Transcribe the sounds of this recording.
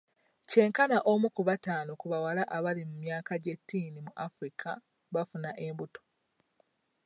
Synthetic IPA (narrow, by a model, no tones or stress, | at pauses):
ce̞ːŋkanaʔomukuβataːnokuβawalaʔaβalimumjaːkaɟetːiːnimuʔafɾikʰa | βafunaʔe̞mbuto̥